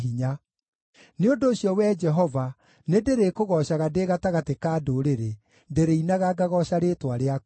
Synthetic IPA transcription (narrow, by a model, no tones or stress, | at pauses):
iɲa | neondoːɕjɔwɛd͡ʒɛɦɔva | nedeɾekoɣɔɕaɣadeɣataɣatekaːdoɾeɾe | ndeɾeinaɣaɡaɣɔɕaɾetwaɾeak